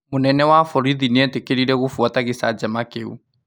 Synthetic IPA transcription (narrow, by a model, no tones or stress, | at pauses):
monɛnɛwafɔɾiðineɛtekeɾiɾɛɣofuataɣesad͡ʒamakeṵ